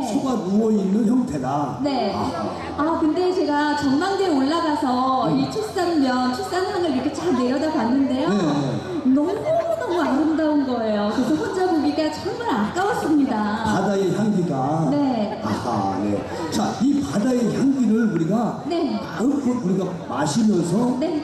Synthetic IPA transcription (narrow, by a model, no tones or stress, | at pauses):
et͡ɕʰoɡauwʌinːɯnçjʌŋtʰe̞dane̞ | akɯnde̞t͡ɕe̞ɡat͡ɕʌnmaŋdeoɭːaɡasʰʌit͡ɕʰos͈anmjʌnt͡ɕʰok̚s͈anjaŋɯɭiɾʌkʰet͡ɕaɭne̞ɾjʌdaɡwanːɯnde̞joeenʌmunʌmuaɾɯndaonɡʌe̞jokesʰʌɸond͡ʑabuɡiɡat͡ɕʌŋmaɾak͈awas͈ɯmɲidapadaeçjaŋɡiɡane̞ | anḛ | t͡ɕaipadaeçaŋɡiɾɯɭuɾiɡane̞ | ɯkʰouɾiɡa | maɕʰimjʌns̬ʰʌne̞